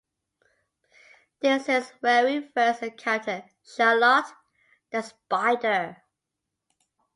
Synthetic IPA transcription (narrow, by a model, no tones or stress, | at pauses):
ðɪsɪzvɛɹifɜˑ˞səkʰãtʰəd̚ | ʃalɔt | ðəspaɪdə